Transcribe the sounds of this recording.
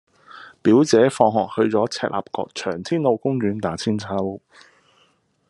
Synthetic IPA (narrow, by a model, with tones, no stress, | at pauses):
piː˨˥wt͡sɛː˨˥fɔː˧ŋɦɔː˨k̚hɵ˧ɥt͡sɔː˨˥t͡sʰɛː˧˩t̚la̰ː˨p̚kɔ̰ː˧k̚t͡ʃʰœː˨˩ŋt̪ʰiː˥nlo˨˧wkʊ˥ŋɥyː˨˥nt̪aː˨˥t͡sʰiː˥nt͡sʰɐ˥w